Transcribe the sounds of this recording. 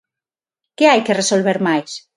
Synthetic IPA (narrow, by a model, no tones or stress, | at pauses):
keajkeresolβ̞eɾmajs